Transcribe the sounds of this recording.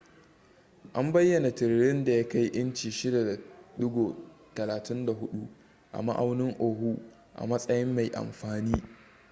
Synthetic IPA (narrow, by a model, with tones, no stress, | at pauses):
ʔa˦mbɐ˦jːɐ˨na˨tɪ˨ɾɽɪ˦nda˨ja˦ka˦jʔɪ˦nt͡ʃiː˨ʃɪ˦da˨da˨dʊ˦ɡoː˨ | tɐ˨laː˨tʰɪ˦nda˨ɦʊ˦ɗu˦ | ʔa̰˨ma̰˦ʔa˦wnɪ˦ŋʔoː˨ɦu˦ | ʔa̰˨mɐ˦sʼɐ˦jɪ˦mːa˨jʔa̰˨mɸaː˨niː˦